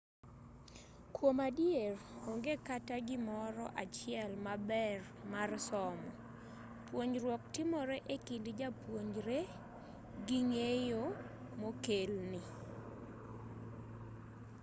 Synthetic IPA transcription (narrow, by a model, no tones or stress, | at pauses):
kwomadjeroŋɡekataɡɪmɔɾɔ̰ʔat͡ʃɪɛlmabɛrmarsɔmɔ | pwoɲrwɔk̚tɪmɔɾɛʔekindɪd͡ʒapwoɲd͡ʒɾe | ɡɪŋejo | mokelnɪ